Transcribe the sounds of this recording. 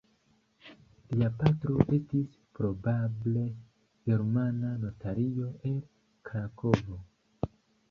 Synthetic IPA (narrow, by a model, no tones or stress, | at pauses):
liapatɾo̞ʔe̞stis | pɾo̞bable̞ | ɡe̞ɾmanano̞taɾio̞ʔe̞l | kɾako̞vo̞